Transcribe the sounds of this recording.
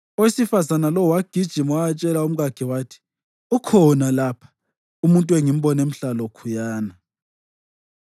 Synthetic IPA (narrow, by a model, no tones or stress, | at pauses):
ɔwisifazanalɔwaɡ̥ʱid̥ʒ̥ʱimwaat͡ʃʼɛlaum̩ɣaɡ̥ʱiwaːtʰi̥ | ukʰɔnalapʰḁ | umuntʼuweŋim̩bɔnem̩ɬalɔkʰujaːna